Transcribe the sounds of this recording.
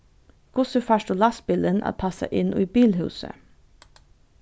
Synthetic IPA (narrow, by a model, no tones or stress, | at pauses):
ɡ̥ʊsəfɑʃtolɑsbɪlənʔɑ̰t̪̚tʰɑsə̰ʔɪniːbiːlhʉ̰ːsə̰